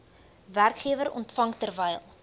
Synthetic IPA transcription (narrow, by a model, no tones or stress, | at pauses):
værkχiəvəɾɔntfɐŋtərvɛjlˠ